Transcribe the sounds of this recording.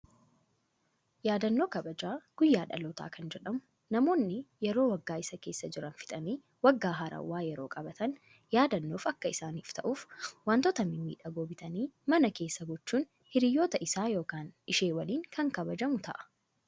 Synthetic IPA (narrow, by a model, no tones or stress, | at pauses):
jaːd̪ɐnːo̞ːkɐbɐd͡ʒaːɡ̥ʊjːaːᶑɐ̰loːt̪a̰ːkʰɐnd͡ʒɛᶑɐmʊ | nɐmo̞ːnːɪjɛɾoːwɐɡːaːɪsɐke̞ːsːɐd͡ʒɪɾɐnfɪ̥t̪ʼɐmiː | wɐɡːaːɦɐɾɐ̰wːaːjɛɾo̞ːkʼɐbɐt̪ɐn | jaːd̪ɐnːoːfɐkːɐɪsaːniːft̪ɐʔuːfwaːnt̪ɔt̪ɐmɪmḭːᶑɐɡoːbɪt̪ɐniːmɐnɐke̞ːsːɐɡɔt͡ʃːuːn | hɪɾɪjːoːt̪ɐʔɪsaːjo̞ːkaːnɪʃeːwɐliːŋkʰɐŋkɐbɐd͡ʒɐmʊt̪ɐ̰ʔɐ̥